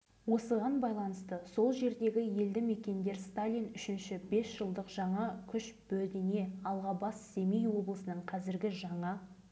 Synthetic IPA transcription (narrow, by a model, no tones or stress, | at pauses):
wo̞səʁɑnbɑjlˠɑnəst̪əso̞lˠʒe̞ɾd̪e̞ɡʲɪje̞ld̪ɪme̞kʲe̞nd̪e̞ɾst̪alʲijnʏʃɪnʃɪbe̞sʒ̥əlˠd̪əqʒ̥ɑɴɑkʲʰʏʃb̥ɵd̪ʲɪne̞ɑlˠʁɑbɑsːe̞mijwo̞blˠəsənəɴqʰɑzɪɾɡʲɪʒɑɴɑ